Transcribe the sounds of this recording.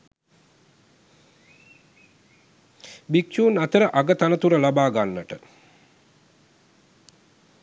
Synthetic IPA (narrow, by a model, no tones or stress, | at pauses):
bikt͡ʃuːnat̪əɾəʔaɡət̪anət̪uɾəlabaːɡanːəʈə